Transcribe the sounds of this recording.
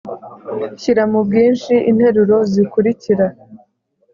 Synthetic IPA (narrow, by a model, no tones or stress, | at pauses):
çiɾamubɡiːnʃiʔin̥he̞ɾuɾo̞zikuɾiciɾa